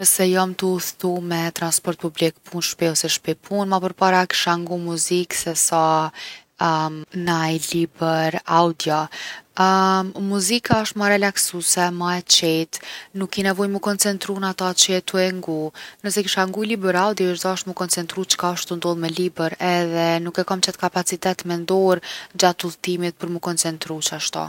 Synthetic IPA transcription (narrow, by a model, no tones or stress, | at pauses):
nəsɛjamt̪əuθt̪umɛt̪ɾanspɔɾt̪̚publikpʰunʃpɛɔsɛʃpɛjpʰunmapəɾpaɾaki̥ʃaŋɡumuziksɛsa | najlibɛɾawd̪jɔ | muzikaɔʃt̪maɾɛlaksusɛmaɛt͡ʃɛt̪nukːinɛvɔjməkɔnt͡sɛnt̪ɾunat̪at͡ʃəɛt̪uɛŋɡunəsɛkiʃaŋɡujlibəɾawd̪jɔəʃzaɔʃt̪məkɔnt͡sɛnt̪ɾut͡ʃkaʃt̪und̪ɔlˠmɛlibəɾɛðɛnukɛkamt͡ɕɛt̪kapat͡sit̪ɛt̪mɛnd̪ɔɾd͡ʑat̪ulˠt̪imit̪̚pəɾməkɔnt͡sɛnt̪ɾut͡ʃaʃt̪ɔ̰